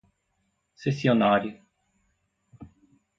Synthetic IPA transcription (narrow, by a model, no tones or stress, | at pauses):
sesionaɾjʊ